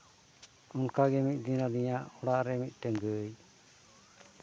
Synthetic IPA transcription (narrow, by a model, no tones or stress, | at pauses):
unkaɡɛmit̪̚ˀd̪iɾad̪iɲaʔɔɽaʔɾɛmit̪̚ˀʈɛŋɡəj